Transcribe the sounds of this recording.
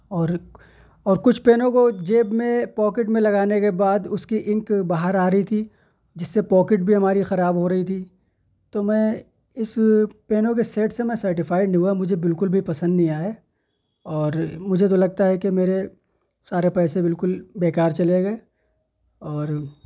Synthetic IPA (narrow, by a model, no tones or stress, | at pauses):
ɔːɾ | ɔːɾkʊt͡ʃʰpeːnõkod͡ʒeːbmẽpɔːkɪʈmẽlɐɡaːnekebaːd̪ʊskiʔɪ̃ŋkbaːɦəɾaːɾɐɦit̪ʰi | d͡ʒɪsːepɔːkɪʈ̚bʱiɦɐmaːɾixɐɾaːbɦoɾɐit̪ʰi | t̪omɛ̃ | ɪspeːnõk̬eseːʈsemɛ̃sɐɾʈɪfaːɪɖnɦuamʊd͡ʒʱebɪlkʊlbʱipɐsə̃nd̪nɐɦĩaːe | ɔːɾmʊd͡ʒʱet̪̬olɐɡ̚t̪aɦɛkemeːɾe | saːɾepɛːsebɪlkʊlbeːkaːɾt͡ʃɐleɡɐe | ɔːɾ